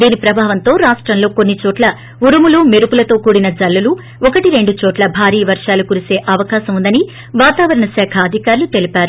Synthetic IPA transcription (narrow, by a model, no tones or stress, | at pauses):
d̪iːnipɾɐbʱaːʋɐnt̪o̞ːɾaːʂʈɾɐmlo̞ːkonːit͡ʃɔːʈlɐ | uɾɐmuluːmeɾupulɐt̪o̞ːkuːɽinɐd͡ʒɐlːulu | ɔkɐʈiɾe̞ɳɖut͡ʃɔːʈlɐbʱaːɾiːʋɐɾʂaːlukuɾuse̞ːʔɐʋɐkaːsɐmund̪ɐni | ʋaːt̪aːʋɐɾɐɳɐsaːkʰaːd̪ʱikaːɾlut̪e̞lipaːɾu